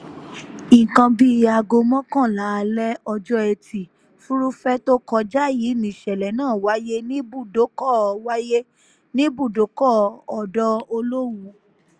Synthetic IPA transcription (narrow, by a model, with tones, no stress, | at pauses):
ĩ˨kã˧bi˦a˧ɡo˧mɔ̃˦kã˦˨la˨˦˧lɛ˦ɔ˧d͡ʒɔ˦ɛ˧tʰi˨ | fu˦ɾu˦fɛ˦to˦kɔ˧d͡ʒa˦˨jiː˨˦nĩ˨ʃɛ˨lɛ˨nãː˦˨wa˦je˦nĩ˦bu˦˨do˨˦kɔ˦˨wa˦je˦ | nĩ˦bu˦˨do˨˦kɔ˦˨ɔ˨dɔ˧o˧lo˦wũ˧